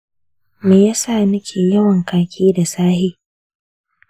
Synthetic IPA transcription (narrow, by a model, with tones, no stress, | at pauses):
meː˨jaː˦saː˦˨nɪ˦kʲʰeː˨jɐ˦wɐ˨ŋkaː˨kʲʰiː˦da˨saː˦hiː˦